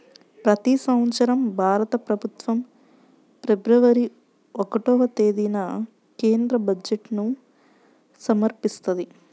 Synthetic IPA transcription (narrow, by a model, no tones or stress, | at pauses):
pɾɐt̪isɐwt͡ʃɐɾɐmbʱaːɾɐt̪ɐpɾɐbʱut̪ʋɐm | pɾebɾɐʋɐɾi | okɐʈoːʋɐt̪e̞ːd̪inɐ | ke̞ːnd̪ɾɐbɐd͡ʒeʈnu | sɐmɐɾpist̪ɐd̪i